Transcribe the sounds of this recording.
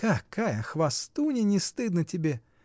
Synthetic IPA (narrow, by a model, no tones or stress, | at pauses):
kakʰːajɐxvɐst̪unʲɪnʲɪst̪ɨd̪nətʲɪbʲe